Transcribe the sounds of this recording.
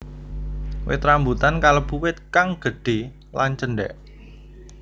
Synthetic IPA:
wɪ̰t̪ɾambut̪ankaləb̥uwɪt̪̚kaŋɡ̥ə̤ɖ̥e | lant͡ʃənɖɛ̰ʔ

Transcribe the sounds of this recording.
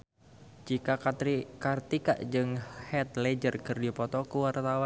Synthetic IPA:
d͡ʒikakat̪ɾikart̪ika̰ʔd͡ʒɨŋhɛt̪̚lɛd͡ʒərkɨrdipɔt̪ɔkuwart̪awa

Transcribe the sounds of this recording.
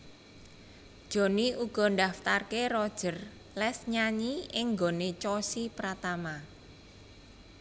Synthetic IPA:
d̥ʒ̥o̤niʔuɡ̥ɔ̤ndaft̪arkeɾɔd̥ʒ̥ər | lɛsɲaɲiɪŋɡonet͡ʃɔsipɾat̪ama

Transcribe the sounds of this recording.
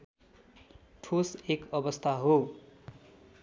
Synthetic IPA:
ʈʰosekʌbʌst̪ʰaɦo

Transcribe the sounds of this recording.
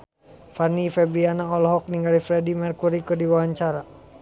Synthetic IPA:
fanifɛbɾianaɔlɔɦɔk̚niŋɡalifɾɛdimɛrkuɾikɨrdiwawaɲt͡ʃaɾa

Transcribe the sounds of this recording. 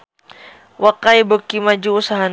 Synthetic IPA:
wakajbəkimad͡ʒuːsaɦan

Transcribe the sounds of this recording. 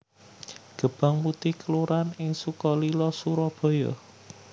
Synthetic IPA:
ɡ̥ə̤b̥a̤ŋput̪ɪhkəluɾanɪŋsukɔlilɔsuɾɔb̥ɔ̤jɔ̰

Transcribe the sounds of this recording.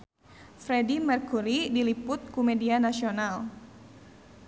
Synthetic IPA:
fɾedimɛrkuɾidilipʊt̪̚kumedianasional

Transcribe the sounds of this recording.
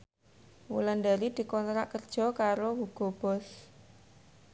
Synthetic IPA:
wṵland̪aɾid̪̥i̤kɔnt̪ɾaʔkərd̥ʒ̥ɔ̤kaɾowuɡ̥ɔ̤b̥ɔ̤s

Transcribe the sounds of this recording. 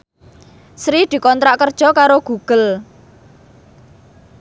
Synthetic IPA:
sɾid̪̥i̤kɔnt̪ɾaʔkərd̥ʒ̥ɔ̤kaɾoɡ̥ṳɡ̥əl

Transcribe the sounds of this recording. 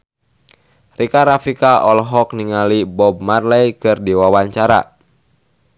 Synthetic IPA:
rikaɾafikaʔɔlɦɔk̚niŋalibɔb̚marlɛjkɨrdiwawaɲt͡ʃaɾa̰

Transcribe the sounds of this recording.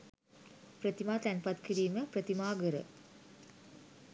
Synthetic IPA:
pɾət̪imaːt̪ænpat̪kiɾiːməpɾət̪imaːɡəɾə̰

